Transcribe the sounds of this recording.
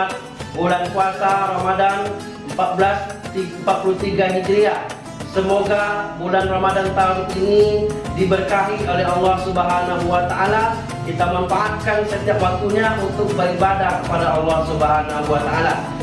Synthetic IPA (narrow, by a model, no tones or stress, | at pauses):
t̪̚ | bulankuasaɾamadan | əmpat̪̚bəlast̪impat̪̚pulut̪iɡaɦidɾia | səmoɡabulanramadant̪auninidibərkaɦiolɛɦɑlːɔhsubəɦanaɦuat̪aʔala | kit̪aməmfaʔat̪̚kansət̪iapwak̚t̪uɲaʔunt̪ʊk̚bəɾibadakəpadaɑlːɔhsubəɦanaɦuat̪aa̰la